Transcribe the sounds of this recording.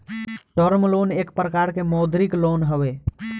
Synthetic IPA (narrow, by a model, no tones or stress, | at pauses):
ʈəɾmloːneːkpɾəkaɾkemɔːd̪ɾiklonɦəwe